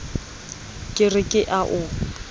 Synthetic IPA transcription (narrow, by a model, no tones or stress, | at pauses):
kʼɪrɪkʼɪʔaʔʊ